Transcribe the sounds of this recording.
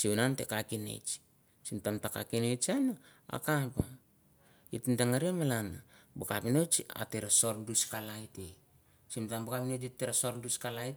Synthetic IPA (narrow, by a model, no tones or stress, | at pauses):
siwunante̞̰kakine̞̰t͡ʃ | simtamtaka̰kinet͡ʃanaa̰kapa | itndaŋaɾiamalanabokapinot͡ʃa̰teɾaso̞ɾduskalajte | simtambakapinot͡ʃitːeɾasoɾduskalajt